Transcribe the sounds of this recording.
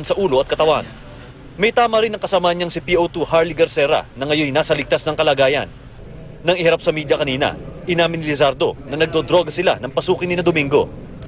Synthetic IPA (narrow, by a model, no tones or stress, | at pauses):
nsɐʔuːlo̞ʔɐt̪kɐt̪ɐwan | mɐjt̪aːmɐɾɪnɐŋkɐsɐmanɲɐŋsɪpiʔowt̪uhaɹliɡɐɾsɛɾɐ̰nɐŋɐjo̞jnaːsɐlɪɡ̚t̪asnɐŋkɐlaːɡaːjɐ̰nː | ɐŋɪhɐɾap̚sɐmiːd̪jɐkɐniːnɐ̰ʔɪnaːmɪnɪlɪsaɾd̪o̞̰nɐnɐɡ̚d̪od̪ɾo̞ːɡɐsɪla̰nɐŋpɐsuːkɪnːɪnɐd̪ʊmiŋɡo̞